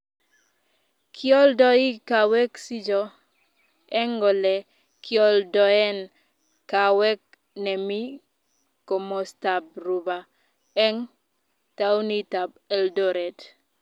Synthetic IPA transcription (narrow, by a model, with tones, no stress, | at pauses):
kʰjɔ˦ldɔ˦i˦ka˨wɛ˦ksi˦d͡ʒɔ˨ | ɛ˦ŋɡɔ˨lɛ˨ | kʰjɔ˦ldɔ˨ɛ˦n | ka˨wɛ˦k̚ | nɛ˨mi˦ | ko˨mɔ˨sta˨b̚ɾu˨ba˨ | ɛ˦ŋ | ta˦wni˦ta˨b̚ɛ˨ldɔ˦ɾɛ˨d